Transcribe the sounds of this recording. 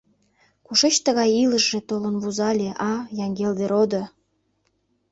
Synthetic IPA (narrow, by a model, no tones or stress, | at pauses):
kuʃet͡ɕt̪əɣɑjiləʃʒet̪olənβuzɑlʲeʔɑjɑŋɡeld̪eɾod̪o